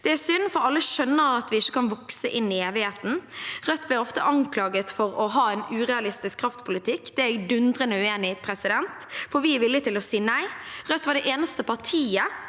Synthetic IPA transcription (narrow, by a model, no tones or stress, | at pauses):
d̪̥ɛæɾsʏnːfɔɾɑlːəʃœnːəɾɑt̪ʋɪɪçːə̥kɑnʋɔksəʔɪnːɪeːʋɪheːt̪n̩ʁœt̪ːblɪɾɔft̪əʔɑŋkʰlɑːɡət̪fɔɾɔɦɑːɛnʉːʁɛɑlɪst̪ɪskʰːɾɑft̪pʰʊlɪt̪ʰɪkːd̪̥ɛæd̪ʉnd̪ʁənəʉeːnɪpʰɾɛsɪd̪ɛnt̪fɔɾʋɪʋɪlːɪt̪ʰɪlɔsiːnæɪʁœt̪ːʋɑɖɛʔeːnəst̪əpʰɑʁtʰiːə